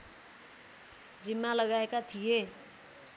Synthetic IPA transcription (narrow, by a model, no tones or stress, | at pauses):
d͡zimːalʌɡaekat̪ʰije